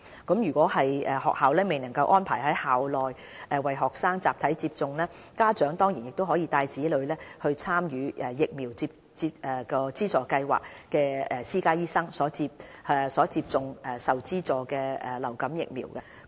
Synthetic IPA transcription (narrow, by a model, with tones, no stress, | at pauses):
kɐ˨˥mjyː˨˩kʷɔː˨˥hɐ˨jɛː˨hɔ̰ː˨k̚haː˨wlɛː˥me˨jnɐ˨˩ŋkɐ˧wʔɔː˥npʰaː˨˩jhɐ˨˥jhaː˨wlɔː˨j | ʔɛː˨wɐ˨jɦɔː˨k̚saː˥ŋt͡saː˨p̚t̪ʰɐ˨˥jt͡siː˧p̚t͡sʊ˨ŋlɛː˥kaː˥t͡ʃœː˨˥ŋt̪ɔː˥ŋjiː˨˩njɪ˨k̚t̪o˥wɦɔː˨˥jiː˧t̪aː˧jt͡siː˨˥lɵ˨˧ɥlɛː˥hɵ˧ɥt͡sʰaː˥mjyː˨˧ʔɛ˨jɪ˨k̚miː˨˩wt͡siː˧p̚ | t͡siː˧p̚ʔɛː˨kɔː˧t͡siː˥t͡sɔː˨˧kɐ˧jwa̰ː˨k̚kɛː˧ɛ˨siː˥kaː˥jiː˥sɐ˥ŋsɔː˨˥t͡si˧p̚ːsɔː˨˥t͡siː˧p̚t͡sʊ˨ŋʔɛ˨sɐ˨wt͡siː˥t͡sɔː˨˧kɛː˧ɛ˨lɐ˨˩wkɐ˨˥mjɪ˨k̚mḭː˨˩wkɐ˧˥